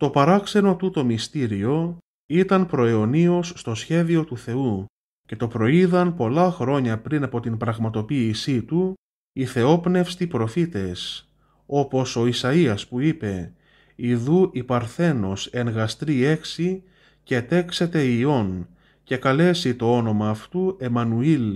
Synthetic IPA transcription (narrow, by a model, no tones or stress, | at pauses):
t̪o̞pɐɾɐkse̞no̞t̪ut̪o̞mist̪iɾio̞ | it̪ɐnpɾo̞eo̞nio̞sːt̪o̞sçe̞ðio̞t̪uθe̞u | ce̞t̪o̞pɾo̞iðɐnpo̞lɐxɾo̞ɲɐpɾinɐpo̞t̪inpɾɐɣmɐt̪o̞piːsit̪u | iθe̞o̞pne̞fst̪ipɾo̞fit̪e̞s | o̞po̞so̞isɐiɐspuipe̞ | iðuʔipɐɾθe̞no̞se̞ŋɣɐst̪ɾie̞ksi | ce̞t̪e̞kse̞t̪e̞io̞n | ce̞kɐle̞sit̪o̞o̞no̞mɐːft̪ue̞mɐnuil